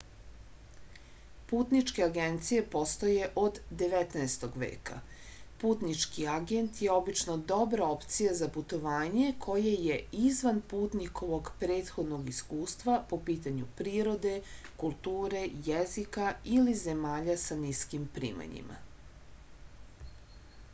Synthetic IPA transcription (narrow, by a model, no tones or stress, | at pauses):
puːt̪nit͡ʃke̞aɡent̪sije̞po̞st̪oje̞ʔo̞d̪ːe̞ʋet̪naest̪o̞ɡʋḛːka̰ | puːt̪nit͡ʃkiaɡe̞nt̪je̞o̞bit͡ʃnod̪o̞bɾao̞pt̪sijazaput̪o̞ʋaːɲe̞kʰo̞jeje̞izʋanpuːt̪nikʰo̞ʋo̞ɡpɾe̞ːt̪xo̞d̪no̞ɡiskuːst̪ʋapo̞piːt̪aɲupɾiːɾo̞d̪e̞kulˠt̪uːɾe̞jezikailizemaːʎasaniskimpɾḭːma̰ɲḭma̰